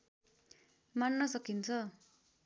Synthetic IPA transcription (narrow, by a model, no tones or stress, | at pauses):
manːʌsʌkint͡sʰʌ